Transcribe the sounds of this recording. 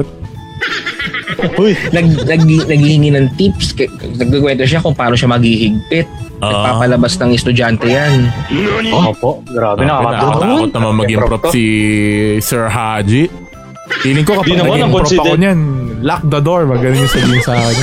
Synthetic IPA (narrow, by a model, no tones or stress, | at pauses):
t̪̚ | ujnɐɡ̚nɐɡ̚hnɐɡ̚hihɪŋinɐŋt̪ipskɐnɐɡ̚kɪkwɛnt̪oʃ̬akʊŋpaːnoʃamɐɡihɪɡ̚pɪt̪̚nɐɡpaːpɐlɐbasnɐŋɛst̪ʊd͡ʒant̪ɛjan | oopoʔɡɾaːbɛɐaːɐːkot̪̚nɐmanmɐɡɪŋpɾopsi | sɛɹɦad͡ʒi | ʔiːlɪŋkokɐpd̪nɐɐmaɐkoɾopɐoɲanlak̚d̪ɐd̪oɹmɐɡɐnʊɲʊŋsɐbiːhɪŋsaːkɪɲ